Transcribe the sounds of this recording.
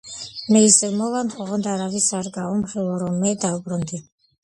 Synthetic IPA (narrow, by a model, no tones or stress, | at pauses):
mɛisɛmɔvanχɔʁɔnd̪aɾavisaɾɡaɔmχilˠɔɾɔmɛd̪aubɾund̪i